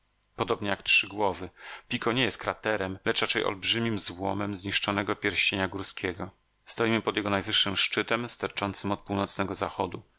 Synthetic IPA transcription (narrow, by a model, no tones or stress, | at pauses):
pɔd̪ɔbɲɛjaktʂɘɡwɔvɘpʲikʰɔɲejɛst̪̚kɾat̪ɛɾɛmlɛt͡ʂɾat͡ʂɛjɔ̰lbʐɘmʲimzwɔ̰mɛmzɲiʂt͡ʂɔnɛɡɔpʲjɛɾɕt͡ɕeɲaɡuɾskʲɛɡɔ | st̪ɔjimɘpɔd̪jɛɡɔnajvɘʂːɘmʂt͡ʂɘt̪ɛmst̪aɾt͡ʂɔnt̪sɘmɔt̪̚puwnɔt̪snɛɡɔzaxɔd̪u